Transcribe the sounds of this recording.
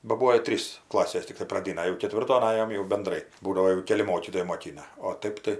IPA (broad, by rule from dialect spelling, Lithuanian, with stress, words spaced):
bɐ ˈbuːoː ɪ ˈtʲrʲiːs ˈklˠɑːsʲeːs ˈtʲɪktɐɪ prɐˈdʲɪnɐ jɛʊ kʲɛˈtʲʋʲɪrtoːn ˈɑːjoːm jɛʊ bʲɛnˈdrɐɪ ˈbuːdɐʋoː jɛʊ ˈkʲæːlʲɪ ˈmoːkʲiːtoːjɛɪ moːˈkʲɪnɐ oː ˈtɐɪp tɐɪ